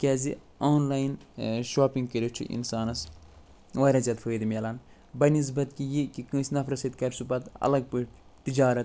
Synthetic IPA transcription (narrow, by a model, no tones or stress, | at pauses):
kʲɛːzi | oːnlaːjnʃoːpiŋɡ̚kəɾʲit͡ʃʰṵʔḭnsaːnɐs | wɐjɾɐzʲɐt̪fʰəːd̪mʲelɐn | bɐnis̬bɐt̪kijikikɨ̃ːsʲnɐfɾɐsɐt̪kɐɾʲsubɐt̪ɐ̰lɐɡ̚pɨʈt̪id͡ʒaːɾɐt̪